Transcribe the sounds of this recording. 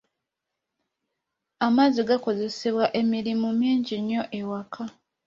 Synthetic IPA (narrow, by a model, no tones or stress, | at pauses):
amaziɡako̞ze̞se̞βwaʔe̞miɾimumiːɲɟiɲːo̞ʔe̞wakʰa